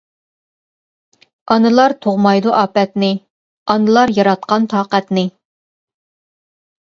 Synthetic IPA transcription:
ɑnɨlˠɑɾt̪ʰoʁmɑjd̪uʔɑːpɛt̪nɪ | ɑnɨlˠɑɾjɑɾɑt̪̚qɑnt̪ʰɑːqɛt̪nɪ

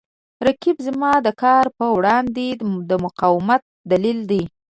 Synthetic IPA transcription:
ɾakibzmɑd̪əkɑɾpəwɽɑnd̪ed̪əmʊqɑwɪmat̪̚d̪alild̪i

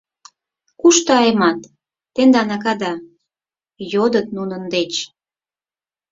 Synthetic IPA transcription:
kuʃt̪ɑemɑt̪ː | end̪ɑnɑk̬ɑd̪ɑ | jod̪ət̪̚nunənd̪et͡ɕ

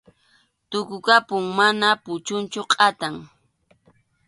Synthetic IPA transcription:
t̪ʊkʊkapʊŋmanapʊt͡ʃʊnt͡ʃʊqʼat̪aŋ

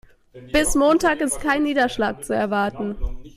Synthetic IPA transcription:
b̥ɪsmoːntaːkɪstkʰaɪnːiːdɐʃla̰ːk̚t͡suɛɐvaɐtn̩

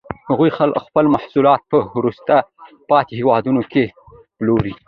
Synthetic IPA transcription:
haɣujxalkxpəlmahsulɑt̪̚pəhɾust̪a | pɑt̪ehewɑd̪unoke | ploɾi

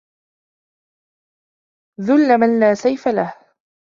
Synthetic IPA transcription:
ðʊlːamanlaːsajfalah

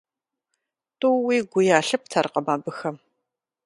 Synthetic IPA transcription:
tʼʊwiːɡʷʊjaːɬɨp̚tʰarqɐmaːbɨxɐm

